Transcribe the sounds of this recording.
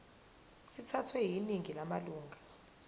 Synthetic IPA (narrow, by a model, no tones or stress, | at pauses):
sitʰatʰwɛɦiniŋilamaluːŋɡʱa